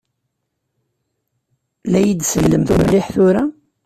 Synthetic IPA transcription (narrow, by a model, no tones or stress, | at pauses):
læjid̪səlːəmθumlːɪħθʊɾa